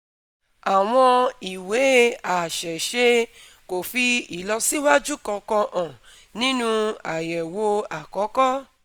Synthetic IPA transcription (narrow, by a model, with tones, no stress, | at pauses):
a˨w̃ɔ̃˧i˨we˨˦a˨ʃɛ˨ʃe˧ | ko˨fi˧i˨lɔ˧si˦wa˦d͡ʒu˦kɔ̃˧kɔ̃˧ʔɔ̃˨ | nĩ˦nũ˧a˨jɛ˨wo˧a˨kɔ˨˦kɔ˦